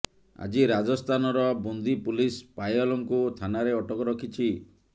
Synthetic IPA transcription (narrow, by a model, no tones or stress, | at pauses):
a̰d͡ʒiɾad͡ʒɔst̪ʰanɔɾɔbund̪ipulispajɔlɔŋkut̪ʰanaɾeɔʈɔkɔɾɔkʰit͡ʃʰi